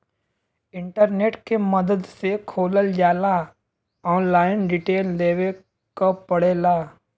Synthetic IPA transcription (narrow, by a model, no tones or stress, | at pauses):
ɪ̃ɳʈəɾneːʈkeməd̪əd̪sekʰoːləld͡ʒaːla | ɔ̃ːnlaːɪnɾiʈeːlːeːʋe | kapəɽeːla